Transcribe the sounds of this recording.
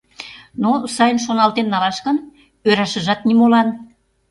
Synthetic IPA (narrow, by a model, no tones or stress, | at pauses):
nosɑjənʃonɑlt̪ennɑlɑʃkɤ̆n | øɾɑʃə̆ʒɑt̪̚nimolɑn